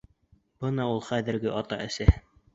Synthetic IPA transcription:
b̥ɤnɑulˠχæðɘ̆ɾɡɘʔɑt̪ɑʔɘ̆sæ

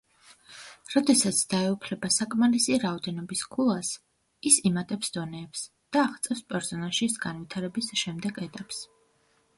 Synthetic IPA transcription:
ɾɔd̪ɛsat̪sʰd̪̥aɛupʰlɛbasakʼmalisiɾaɔd̪ɛnɔbiskʰulˠas | isimat̪ʼɛpsd̪̥ɔnɛːps | d̪̥aːʁt̪sʼɛwspʼɛɾsɔnalˠʃisɡanvit̪ʰaɾɛbisʃɛmd̪ɛɡɛt̪ʼaps

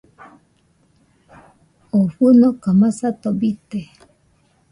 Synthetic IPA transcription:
oɸunɔkamãsat̪ɔbit̪e

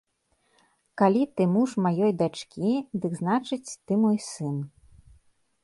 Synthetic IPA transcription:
kalʲit̪ɨmuʂmajɔjd̪at͡ʂkʲid̪ɨɡznat͡ʂɨt͡sʲt̪ɨmɔjsɨn

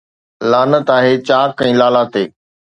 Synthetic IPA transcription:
laːnət̪aːɦeːt͡ɕaːkɛ̃ːlaːlaːt̪eː

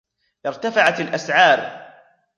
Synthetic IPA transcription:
ʔɪɾt̪afaʕat̪alʔasʕɑːɾˤ

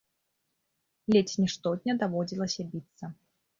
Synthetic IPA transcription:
lʲet͡sʲnʲiʂt̪ɔt̪̚ʲnʲɐd̪avɔd͡zʲilˠɐsʲɐbʲit̪sːɐ

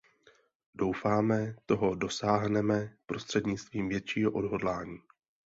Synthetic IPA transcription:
do̞wfaːmɛt̪o̞ɦo̞do̞saːɦnɛmɛpɾo̞st̪r̝̥ɛdɲɪt͡st̪viːmvjɛt̪t͡ʃiːɦoʔo̞dɦo̞dlaːɲiː

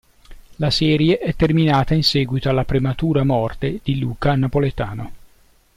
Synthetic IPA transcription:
lasɛːɾjeʔɛt̪ːerminaːt̪ainsɛːɡwit̪oalːapɾemat̪uːɾamɔrt̪ed̪̥iluːkanapolet̪aːno

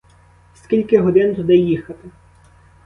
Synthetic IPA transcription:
skʲilʲkɪɦɔd̪ɪnt̪ʊd̪ɪjixɐt̪ɪ

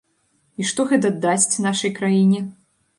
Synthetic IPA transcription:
iʂt̪ɔɣɛt̪̬ɐd̪ːasʲt͡sʲnaʂɐjkɾajinʲɛ

